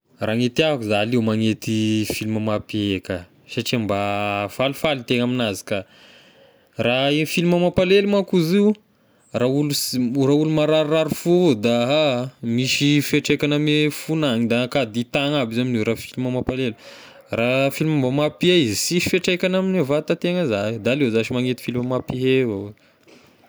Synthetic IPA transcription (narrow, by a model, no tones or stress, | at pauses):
raŋet̪iakuzalewmaŋet̪ifiliməmapieka | saʈ͡ʂiambafalufalit̪eŋaminazi̥ka | raefiliməmapalelumakuziw | rauluraulumaɾaɾraɾufud̪aɦmiʃifeʈ͡ʂekʲanamefunaŋid̪akad̪it̪aŋabizaminewɾafiliməmapalelu | rafilimambamapieizisifeʈ͡ʂejkʲanaminevat̪at̪eŋəzad̪aːlezaʃimaŋet̪i̥filməmapiɦewa